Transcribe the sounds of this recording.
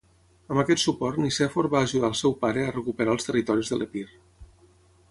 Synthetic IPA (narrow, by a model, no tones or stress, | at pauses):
əmbəkɛt̪supɔɾt̪nisɛfoɾβaːʒuðaːlˠsɛwpaɾəərəkupəɾaəlˠst̪ərit̪ɔɾizðəlʔəpir